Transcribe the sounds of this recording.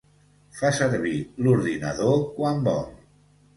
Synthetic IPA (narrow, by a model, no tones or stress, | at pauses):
fasəɾβiluɾðinəðokwambɔl